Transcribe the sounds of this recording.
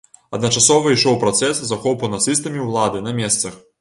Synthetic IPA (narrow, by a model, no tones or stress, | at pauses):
ɐd̪nɐt͡ʂasɔvɐiʂɔwpɾɐt̪sɛszaxɔpɐnɐt̪sɨs̬t̪ɐmʲiwlˠad̪ɨnɐmʲɛst̪sɐx